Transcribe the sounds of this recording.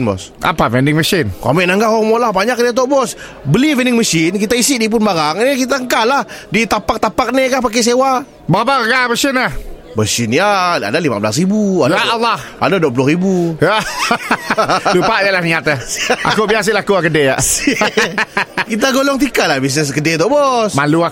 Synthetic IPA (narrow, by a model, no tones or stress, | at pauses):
nbɔ̰s | a̰pavɛndɪŋməsɪnka̰mɛʔnaŋɡakɔaŋmolahbaɲak̚diat̪̬ɔʔbɔs | bəlivɛndɪŋməsɪnkit̪aisɪʔdip̬ʊnbaɾaŋnikit̪aəŋkalahdit̪apak̚t̪apak̚nikapak̬es̬ewa | baabaaŋkaməsɪnah | bəsɪnjaa̰dalimabəlasribuadalah | a̰daduap̬ulʊhɾibuja | lupaʔjalahniat̪aʔa̰kubias̬ilakuakədeaʔ | kit̪aɡolɔŋt̪̬ikalahbis̬nɛs̬kədet̪ɔʔbɔsmalua